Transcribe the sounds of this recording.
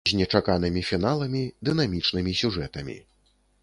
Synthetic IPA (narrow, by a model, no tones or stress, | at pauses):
zʲnʲɛt͡ʂakanɨmʲifʲinalˠɐmʲid̪ɨn̪amʲit͡ʂnɨmʲisʲuʐɛt̪ɐmʲḭ